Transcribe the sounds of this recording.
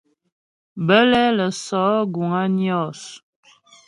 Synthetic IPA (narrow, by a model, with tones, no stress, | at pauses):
bə˦lɛ˦lə˨sɔ˨˦ɡu˨ŋa˦njɔ˦˨s